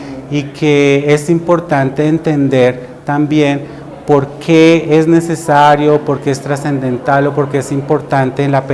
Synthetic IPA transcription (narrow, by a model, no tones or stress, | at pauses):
ikʰee̞simpo̞ɾt̪ant̪e̞ːnt̪e̞nd̪eɾ | t̪ambje̞n | po̞ɾkʰeezne̞se̞saɾjo̞po̞ɾke̞est̪ɾase̞nd̪e̞nt̪alo̞po̞ɾke̞esimpo̞ɾt̪ant̪e̞ːnlape